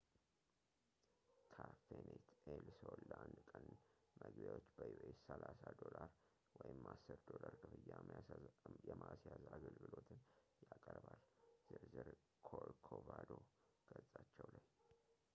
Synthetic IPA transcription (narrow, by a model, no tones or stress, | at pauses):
kʰafenet̪ʰelsolːʔand̪kʼən | məɡbjawot͡ʃːbəjuʔesːəlasad̪olaɾ | wɔjɪmːasːɨɾd̪o̞laɾkʰɨfɨjːamʔajɛmasjazaɡəlɡɨlo̞t̪ʰɨnjakʼəɾbalz̥ɨɾzɨɾ | kʰolkʰobad̪oɡ̥ət͡sʼːat͡ʃːɛwlaɲ